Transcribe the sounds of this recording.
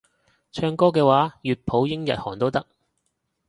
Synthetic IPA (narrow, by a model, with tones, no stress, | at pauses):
t͡ʃʰœː˧ŋkɔː˥kɛː˧waː˨˥jyː˨t̚pʰo˨˥wjɪ˥ŋjɐ̰˨t̚hɔː˨˩ŋt̪o˥wt̪ɐ˥k̚